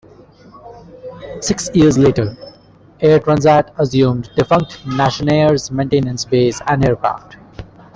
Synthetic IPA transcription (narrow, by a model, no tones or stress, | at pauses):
sɪksiəɾzleːʈəɾ | eːɾʈɾãːnzæʈəzjũːmɖɖɪfʌ̃ŋk̚ʈnæʃəneːəɾzmẽɳʈẽːnə̃nsbeːsæ̃ɳɖeːɾkɾa̰fʈ